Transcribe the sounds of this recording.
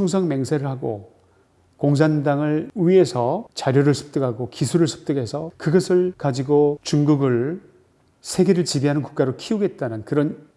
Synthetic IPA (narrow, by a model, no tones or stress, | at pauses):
sʰʌŋs̬ʰʌŋme̞ŋsʰe̞ɾɯɭɦaɡo̰ | koŋs̬ʰandaŋɯɭɥiesʰʌt͡ɕaɾjoɾɯɭsʰɯ̥p̚t͈ɯɡaɡokisʰuɾɯɭsʰu̥p̚t͈ɯɡe̞sʰʌkɯɡʌsʰɯɭkad͡ʑiɡot͡ɕuŋɡuɡɯɭ | sʰeɡe̞ɾɯɭt͡ɕibiɦanɯnku̥k̚k͈aɾokʰiuɡe̞t̚t͈anɯnkɯɾʌn